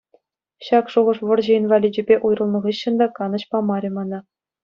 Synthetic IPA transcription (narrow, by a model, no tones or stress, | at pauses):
ɕɑkʂuʁɤ̆ʂʋɤ̆rʑĕinvɑlʲid͡ʑɘ̆bʲeʔujrɤ̆lˠnɤ̆ʁɯɕːɤ̆nd̪ɑkɑnɤ̆ɕpɑmɑɾʲĕmɑnɑ